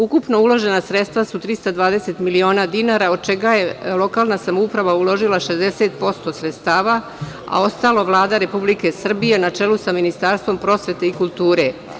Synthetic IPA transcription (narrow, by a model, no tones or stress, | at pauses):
ukupno̞ulo̞ʒe̞nasɾet̪st̪ʋasut̪ɾist̪ad̪ʋaːd̪e̞se̞t̪milio̞ːnaːd̪inaːɾaod̪̚t͡ʃe̞ɡaje̞lˠo̞kaːlˠnasamoupɾaʋaulo̞ʒilaʃezd̪ese̞t̪̚po̞st̪o̞sɾet̪st̪aːʋa | a̰o̞st̪aloʋlˠaːd̪aɾe̞publike̞sr̩bije̞nat͡ʃe̞lusaminist̪aɾst̪vʋo̞mpɾo̞sʋe̞t̪eikulˠt̪uːɾe̞